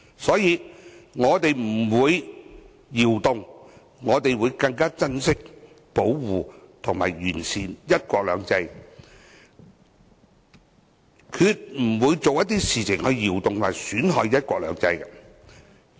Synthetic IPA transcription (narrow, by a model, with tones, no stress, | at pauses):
sɔː˨˥jiː˨˧ŋɔː˨˧t̪e˨jm̩˨˩wuː˨˧j | jiː˨˩wt̪ʊ˨ŋ | ŋɔː˨˧t̪e˨jwuː˨˧jkɐ˧ŋkaː˥t͡sɐ˥nsɪ˥k̚ | po˨˥wwuː˨t̪ʰʊ˨ŋma̰ː˨˩jɥyː˨˩nsiː˨njɐ˥t̚kʷɔː˧k̚lœː˨˧ŋt͡sɐ˧j | kʰyː˧t̚m̩˨˩wuː˨˧˥jt͡so˨wjɐ˥t̪̬̚iː˥siː˨˩t͡sʰɪ˨˩ŋhɵ˧ɥjiː˨˩wt̪ʊ˨ŋt̪ʰmaː˨˩syː˨˥nɦɔː˨˧jjɐ˥t̚kʷɔː˧k̚lœ̰ː˨˧ŋt͡sɐ̰˧jkɛ˧